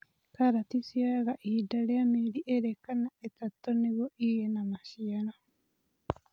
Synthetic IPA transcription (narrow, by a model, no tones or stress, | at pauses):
kaɾatisiaɣaʔidaleamiɾiʔeɾekːanaet̪atːoniβoʔijenamaʃiana